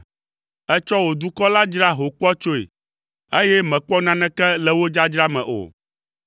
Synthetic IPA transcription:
ɛ˦t͡ʃɔ˦wo˨d̪u˦kɔ˦la˦d͡ʒɾa˦ɦo˨k͡pɔ˦t͡ʃo˦ḛ˨ | e˦jɛ˦mɛ̃˨k͡pɔ˦nã˦nɛ̃˦kɛ˦lɛ˨wo˦d͡ʒa˦d͡ʒɾa˦mɛ̰̃˨ʔo̰˨

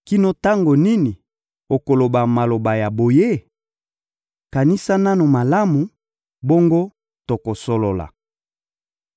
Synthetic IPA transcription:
ki˦no˦ta˦ŋɡo˨ni˦ni˨ | o˨ko˨lo˨ba˨ma˨lo˨ba˨ja˨bo˨je˦ | ka˨ni˦sa˦na˦no˨ma˨la˦mu˨ | bo˦ŋɡo˦ | to˨ko˨so˦lo˨la̰˨

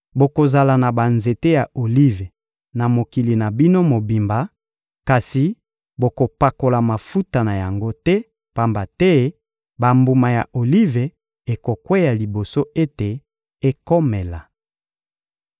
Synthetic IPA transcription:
bo˨ko˨za˨la˨na˨ba˨nze˨te˦ja˨ʔo˨li˦ve˨ | na˨mo˨ki˨li˨na˨bi˦no˦mo˨bi˨mba˨ | ka˨si˨ | bo˨ko˨pa˨ko˨la˨ma˨fu˦ta˨na˨ja˨ŋɡo˦tɛ˦ | pa˦mba˨tɛ˦ | ba˨mbu˨ma˨ja̰˨ʔo˨li˦ve˨ | e˨ko˨kwe˦ja˨li˨bo˨so˦ʔe˦te˨ | e˦ko˦mɛ˨la˨

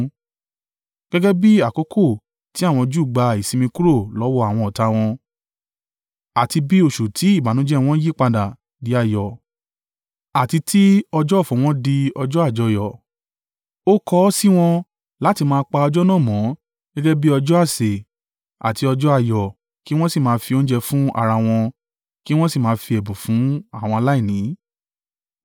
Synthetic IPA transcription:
ɡ̥ɛ˦ɡɛ˦bi˦a˦˨ko˨˦kʰo˦˨ | ti˨˦a˦˨w̃ɔ̃˧d͡ʒu˦˨ɡ͡ba˧i˨sĩ˨˧mĩ˧ku˦ɾo˦˨lɔ˨˦wɔ˦a˦˨w̃ɔ̃˧ɔ˨ta˧w̃ɔ̃˧ | a˨ti˧bi˦o˦˨ʃu˨tʰi˨˦i˦˨ba˨˦nũ˨˦d͡ʒɛ˦w̃ɔ̃˦ji˦˨k͡pa˧da˨ | di˨˦a˦˨jɔ˨ | a˨ti˧tʰi˦ɔ˧d͡ʒɔ˦˨fɔ̃˨w̃ɔ̃˦di˧ɔ˧d͡ʒɔ˦a˦˨d͡ʒɔ˧˦jɔ˨ | o˦kɔ˦si˦w̃ɔ̃˧ | la˨˦ti˧mãː˧˦k͡pa˧ɔ˧d͡ʒɔ˦nã˦˨mɔ̃˨˦ | ɡ̥ɛ̃˦ɡɛ˦bi˦ɔ˧d͡ʒɔ˦a˦˨se˨ | a̰˨ti˧ɔ˧d͡ʒɔ˦a˦˨jɔ˨ | ki˦w̃ɔ̃˦si˨mãː˧fi˧o˦d͡ʒɛ˧fũ˦a̰˦˨ɾa˧w̃ɔ̃˧ | ki˦w̃ɔ̃˦si˦˨mãː˧fi˧ɛ˨bũ˨fũ˨˦a˦˨w̃ɔ̃˧a˧la˦i˦˨nĩː˨˦

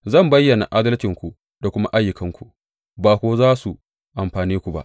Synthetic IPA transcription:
zɐ˦˨mbɐ˦jːɐ˨na̰˨ʔaː˦dɐ˦lt͡ʃɪ˨ŋkʷu˨ | d̥a˨kʷʊ˦ma˦ʔa˦jːʊ˨kɐ˦ŋkʷu˨ʔ | baː˨kʷoː˦zaː˦su˨ | ʔa˨mɸaː˨niː˦kʷu˨ba̰˦ʔ

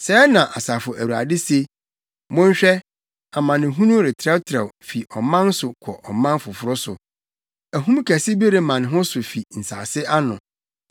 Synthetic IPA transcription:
sɛː˨˦nã˨ʔa˨saː˨fʊ˨ʔæ˨wu˨a̰˨dɪ˦se˦ | mʊ̃˦ɲ˦ɕᶣɛ˦ | a˨mã˨nɪ̃˨ɦũ˦nũ˦ɾɪ˨tʰɾɛ˦wtʰɾɛ˨wfi˨ʔɔ˨mã˦n˦sʊ˨kʰɔ˨ʔɔ˨mã˦n˦fʊ˨fʊ˦ɾʊ˦sʊ˨ | æ˨ɦũ˦m˦kʰæ˨sɪ˦be˦ɾe˦mã˨n˨ɦʊ̃˦sʊ˨fi˨n̩˨sa̰ː˨sɪ˦ʔa˦nʊ̃˨

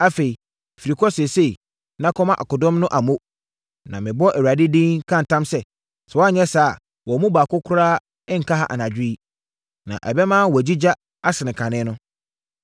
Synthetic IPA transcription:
a˦fe˨i˨ | fi˨ɾi˨kʰɔ˦se˨se˦i˨ | nã˦kʰɔ˦mã˦ʔa˨kʊ˨dɔ̃˦mnʊ̃˦ʔa˨mõ˦ | nã˨mɪ̃˨bɔ˦ʔɛ˨wa˨dɪ˦dĩ˦ŋkʰã˦n̩˨tʰã˦msɛ˦ | sɛ˨wa˦ɲɛ̃˦saː˦a˨ | wɔ˨mũ˦baː˨kʊ˦kʰʊ˦ɾaː˦ | ɪ˦ŋ̩˨kʰa˦ha̰˦˨ʔa̰˨nã˨d͡ʑᶣɪ˦i˦ | nã̰˨ʔɛ̰˨bɛ˦mã˦˨wɔ˨d͡ʑi˦d͡ʑa˦ | a˦sɪ˨nɪ̃˨kʰã˨nɪ̃˦nʊ̃˦

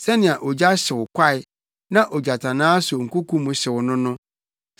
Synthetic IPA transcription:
sɛ˦nɪ̃˨a˨ʔɔ˨d͡ʑa˦ɕɪ˨wʊ˨kʷʰa˦˨ɪ˨ | nã˦ʔɔ˨d͡ʑa˨tʰa˨nãː˦sʊ˨o˨ŋ̩˨ku˦kʰũ˦mʊ̃˨ɕɪ˨wʊ˨nʊ̃˦nʊ̃˦

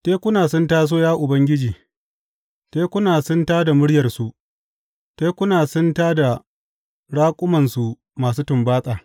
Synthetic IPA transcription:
teː˦kʷʊ˦naː˨sʊ˦ntaː˦s̬oː˦jaː˦ʔʊ˨bɐ˦ŋɡʲɪ˦d͡ʒiː˨ | teː˦kʷʊ˦naː˨sʊ˦ntaː˦da˨mʊ˦ɽjɐ˨rsu˨ʔ | teː˦kʷʊ˦naː˨sʊ˦ntaː˦da˨ | ɽaː˦kʷʼʊ˦mɐ˨nsu˨ | maː˨s̬uː˦tʊ˨mbaː˦sʼaː˨

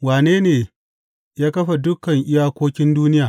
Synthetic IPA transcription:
waː˨neː˦neː˨ | jaː˦kɐ˦ɸa˨dʊ˦kːɐ˨ŋʔɪ˦jaː˦kʷoː˦kʲɪ˦nduː˦nɪ˦jaː˨

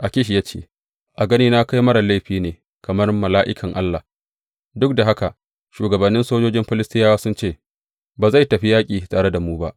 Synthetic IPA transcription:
ʔa˨kʲɪ˦ʃ̬ja˦t͡ʃḛː˦˨ | ʔa˨ɡɐ˦niː˦na˦ka˦jmɐ˦ɾa˨la˦jɸiː˦neː˨ | kɐ˨mɐ˦rmɐ˨laː˦ʔɪ˦kʰɐ˨ŋʔa˦lːa˨ | dʊ˦k̚da˨ɦa˦ka˨ʔ | ʃuː˨ɡɐ˨bɐ˨nːɪ˦nsoː˦d͡ʒoː˦d͡ʒɪ˦mɸɪ˦lɪ˦stɪ˦jaː˦wa˦sʊ˦nt͡ʃeː˦˨ | baː˨za˦˨jtɐ˨ɸi˦jaː˦kʲʼiː˨tʼaː˨ɽe˦da˨muː˦ba̰˦ʔ

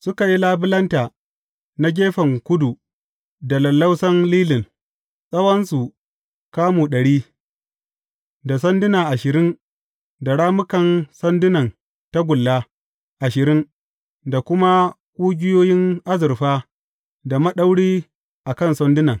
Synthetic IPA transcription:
sʊ˦ka˨ji˦laː˦bɪ˦lɐ˦ntaː˨ | na˦ɡʲeː˦ɸɐ˨ŋkʷʊ˦du˨ | da˨lɐ˨lːa˦wsɐ˦nliː˦lɪ˨n | sʼɐ˦wɐ˦nsu˨ | kaː˦muː˨ɗɐ˨ɽiː˦ | da˨sɐ˦ndɪ˦na˨ʔa˨ʃɪ˨ɾɪ˦n | da˨ɽaː˦mʊ˦kɐ˨nsɐ˦ndɪ˦nɐ˨n | ta˦ɡʷʊ˨lːaː˦ | ʔa˨ʃɪ˨ɾɪ˦n | da˨kʷʊ˦ma˦ | kʷʼuː˦ɡʲɪ˦joː˦jɪ˦ŋʔa˦zɪ˨rɸaː˦ | da˨mɐ˦ɗa˦wɽiː˦ | ʔa˨kɐ˦˨nsɔ˦ndɪ˦nɐ˨ŋ

